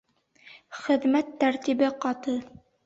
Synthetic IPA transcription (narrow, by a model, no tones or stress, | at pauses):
χɘ̆ðmæt̪ːæɾt̪ibɘqɑt̪ɤ